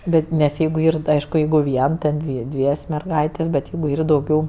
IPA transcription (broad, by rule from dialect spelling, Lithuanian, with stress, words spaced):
ˈbʲɛt nʲɛs ˈjɛɪɡʊ ˈiːr tɐɪ ˈɐɪʃkʊ ˈjɛɪɡʊ ˈʋʲiɛn ˈtʲɛn dʲʋʲɪ ˈdʲʋʲiɛsʲ mʲɛrˈɡɐɪtʲeːsʲ bʲɛt ˈjɛɪɡʊ ˈiːr dɐʊˈɡʲɛʊ